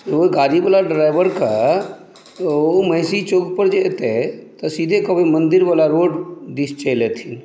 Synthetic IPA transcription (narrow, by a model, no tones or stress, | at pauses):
oɡaɾibalaɖɾaɪbəɾka | oməɦsit͡ʃoːɡpəɾd͡ʒet̪ɛt̪əsid̪ʱekəbimənd̪ɪɾʋalaɾoːɖd̪ist͡ʃəlet̪ʰin